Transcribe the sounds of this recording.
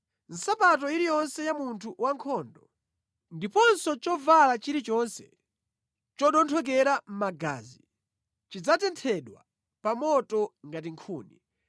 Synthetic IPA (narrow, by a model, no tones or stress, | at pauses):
n̩sapat̬ɔiɾijɔnsɛjamuntʰuwaŋkʰɔːndɔ | ndipɔnsɔt͡ʃɔvalat͡ʃiɾit͡ʃɔnsɛ̥ | t͡ʃɔɗɔntʰɔk̬ɛɾam̩maɡa̰ːzi | t͡ʃid͡zatɛntʰɛɗwa̰ | pamɔtɔŋɡat̬iŋkʰṵːni